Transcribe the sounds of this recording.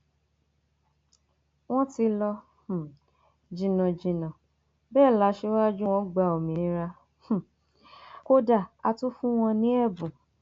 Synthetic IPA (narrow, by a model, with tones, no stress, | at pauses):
w̃ɔ̃˦ti˧lɔ˧˨ | d͡ʒĩ˨nã˨d͡ʒĩ˨nã˨ | bɛː˦˨la˨˦ʃe˦wa˦d͡ʒu˦w̃ɔ̃˦ɡ͡ba˨o˨mĩ˨˦ɾa˧˨ | ko˦da˦˨a˧tu˦fũ˦w̃ɔ̃˧nĩ˦ɛ˦˨bũ˨